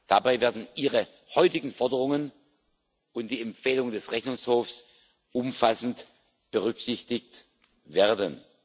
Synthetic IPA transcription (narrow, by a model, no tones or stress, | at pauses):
d̥abaɪveːɐdn̩ʔiːʁə | hɔʏtɪɡŋ̩fɔɐdəʁ̞ʊŋən | ʔʊnt̚d̥iːɛmfeːlʊŋəndɛsʁɛçnʊŋshoːfs | ʔʊmfasn̩t | b̥əʁʏksɪçtɪç̚t | veːɐdən